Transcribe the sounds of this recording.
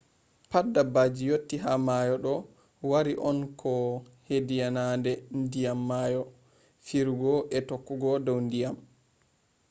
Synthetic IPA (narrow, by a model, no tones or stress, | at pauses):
padːabad͡ʒijotːiɦamajɔɗɔ | waɾiʔɔnkʰɔ | hedijanandɛndijamːaːjɔ | fiɾuɡɔʔɛtokːuɡɔdɔwndijam